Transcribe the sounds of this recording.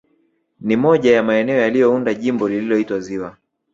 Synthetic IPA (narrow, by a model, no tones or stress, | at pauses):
nimɔʄajamaɛnɛɔjalijɔundaʄimbɔlililɔitwaziwa